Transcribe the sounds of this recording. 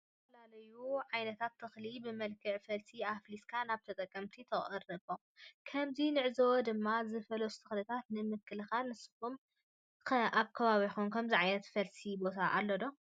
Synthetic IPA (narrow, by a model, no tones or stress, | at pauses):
ɐfɐlalɐjuʕajnɐt̪ʰat̪ʰːɨxlibɨmɐlkʰɨʕfɐlsiafliskʰanaβt̪ʰɐt̪ʼɐkʼːɐmt̪ʰit̪ʰɐχʼɨrɨβo | kʰɐmzinɨʕzɐwɔd̪ɨmːazɨfɐlost̪ʰɨxlɨt̪ʰat̪nɨmɨkʰːɨlɨxalnɨsɨ̥kum | aβkʰɐβaβixonkʰɐmziʕajnɐt̪fɐlsibo̞t̪ʰaʔa̰lːɐd̪o̞